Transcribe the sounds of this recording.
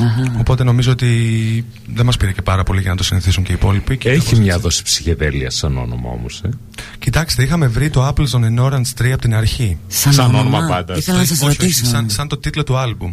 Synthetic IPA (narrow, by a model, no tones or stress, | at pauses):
o̞po̞t̪e̞no̞mizo̞ot̪i | ðemɐspiɾice̞pɐɾɐpo̞liʝɐnɐt̪osiniθisuɲce̞ipo̞lipiceçimɲɐðo̞si̥psi̥çeðeliɐsɐno̞̰no̞̰mɐ̰o̞̰mose | cit̪ɐkst̪eixɐme̞vɾit̪oɐplzo̞neno̞ɾɐnst̪ɾiɐpot̪inɐɾçisɐnonomɐpɐnd̪ɐiθlɐnsɐsoiosɐnsɐnt̪o̞t̪it̪lo̞t̪uɐlbum